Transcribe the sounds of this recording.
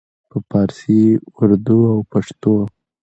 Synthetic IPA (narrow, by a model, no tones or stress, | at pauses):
pəpɑɾsiwuɾd̪uawpaʂt̪o